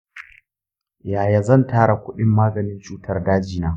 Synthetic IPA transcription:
jaː˨ja˨zɐ˦˨ntaː˦ɽa˨kʷʊ˦ɗɪ˦mːaː˦ɡɐ˨nɪ˦nt͡ʃuː˦tɐ˦rdaː˦d͡ʒiː˨naː˦

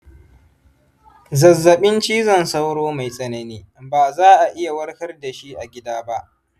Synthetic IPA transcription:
zɐ˨zːɐ˨ɓɪ˦nt͡ʃiː˦zɐ˨nsa˦wɽoː˦ma˨jsʼɐ˦nɐ˨niː˦baː˨zaː˦ʔa˨ʔɪ˦ja˨wɐ˦ɽɸɐ˦rda˨ʃi˦ʔa˨ɡʲɪ˦daː˦ba˦ʔ

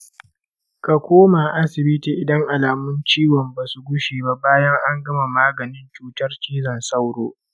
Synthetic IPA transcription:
ka˨kʷoː˦ma˨ʔa˦sɪ˨bɪ˦tiː˨ʔɪ˨dɐ˦ŋʔa˨laː˨mʊ˦nt͡ʃiː˦wɔ˨mba˨su˨ɡʷʊ˦ʃeː˨ba˦baː˦jɐ˦ŋʔa˦ŋɡɐ˦ma˨maː˦ɡɐ˨nɪ˦nt͡ʃuː˨tɐ˦rt͡ʃiː˦zɐ˨nsɐ˦wɽoː˦

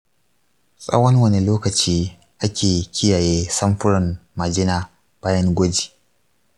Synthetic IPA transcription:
sʼɐ̰˦wɐ˦nwɐ˦ne˨loː˦kɐ˨t͡ʃiː˦ | ʔa˦kʲʰeː˨kʲɪ˦jaː˨jeː˦sɐ˦mɸʊ˦ɽɪ˨nmɐ˨d͡ʒɪ˦naː˨ | b̥aː˦jɐ˦ŋɡʷɐ˦d͡ʒi̥ː˨

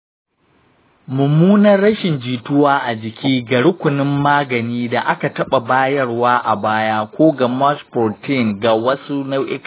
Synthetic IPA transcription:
mʊ˨muː˦nɐ˦rːɐ˦ʃɪ˨nd͡ʒiː˨tʊ˦waː˦ʔa˨d͡ʒɪ˨kʲiː˦ɡɐ˨ɽʊ˦kʷʊ˨nɪ˦mːaː˦ɡɐ˨niː˦da˨ʔa˦ka˨tɐ˦ɓa˨baː˦jɐ˦rwaː˦ʔa˨baː˦jaː˦kʷoː˦ɡa˨mɐ˦spo˨tʰi˦˨ŋɡa˨wɐ˦su˦na˦wʔɪ˦k

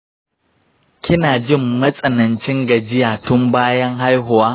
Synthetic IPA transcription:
kʲʰɪ˦naː˨d͡ʒɪ˦˨mːɐ˦sʼɐ˨nɐ˨nt͡ʃɪ˦ŋɡɐ˨d͡ʒɪ˦jaː˨tʊ˦mbaː˦jɐ˦ŋɦa˦jɦʊ˨waː˦

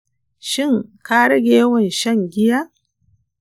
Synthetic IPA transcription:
ʃɪ˦˨ŋkaː˦ɽɐ˦ɡʲeː˦wɐ˨nʃɐ˦ŋɡʲɪ˦jaː˦ʔ

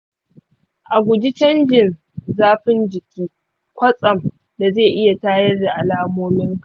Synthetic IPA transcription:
ʔa˨ɡʷʊ˨d͡ʒi˦t͡ʃɐ˦nd͡ʒɪ˨n | zaː˦ɸɪ˦nd͡ʒɪ˨kʲiː˦ | kʷɐ˦sʼɐ˨m | da˨zeː˦˨ʔɪ˦ja˨taː˦jɐ˦rda˨ʔa˨laː˦moː˦mɪ˦ŋk

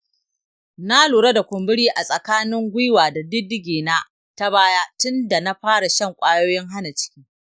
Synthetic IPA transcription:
na˦luː˨ɽɐ˦da˨kʷʊ˨mbɪ˦ɽiː˦ʔa˨sʼɐ˨kaː˦nɪ˦ŋɡʷʊ˦waː˨da˨dɪ˦dɪ˦ɡʲeː˨na˦ | ta˦baː˦jaː˦tʊ˦nda˨na˦ɸaː˦ɽa˨ʃɐ˦˨ŋkʷʼaː˦joː˦jɪ˦ŋɦa˦na˨t͡ʃɪ̥˦kʲiː˦

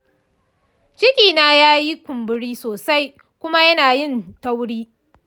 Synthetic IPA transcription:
t͡ʃɪ˦kʲiː˨naː˦jaː˦ji˦kʷʊ˨mbɪ˦ɽiː˦soː˨sa˦j | kʷʊ˦ma˦jɐ˦naː˨jɪ˦˨nta˦wɽiː˦

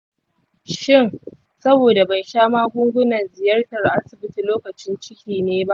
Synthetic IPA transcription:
ʃɪ˦˨ŋ | sɐ˦boː˨da˨ba˨jʃaː˦maː˦ɡʷʊ˦ŋɡʷʊ˦nɐ˨nzɪ˨jɐ˦rtɐ˨rʔa˦sɪ˨bɪ˦ti˨loː˦kɐ˨t͡ʃɪ˦nt͡ʃɪ˦kʲiː˨neː˦ba˦ʔ

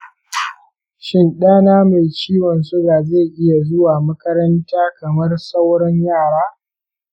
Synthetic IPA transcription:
ʃɪ˦nɗaː˦naː˦ma˨jt͡ʃiː˦wɔ˨ns̬ʊ˦ɡaː˨za˦˨ʔɪ˦ja˨zʊ˦waː˨mɐ˦kɐ˦ɾɐ˦ntaː˦kɐ˨mɐ˦rsa˦wɽɐ˦ɲjaː˦˨ɽaː˦

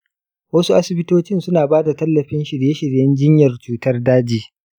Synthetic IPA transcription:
wɐ˦su˦ʔa˦sɪ˨bɪ˦toː˦t͡ʃɪ˦nsʊ˦naː˨baː˦da˨tɐ˦lːɐ˨ɸɪ˦nʃɪ˨ɽjeː˦ʃɪ˨ɽjɐ˦nd͡ʒɪ˦ɲjɐ˨rt͡ʃuː˦tɐ˦rdaː˦d͡ʒiː˦

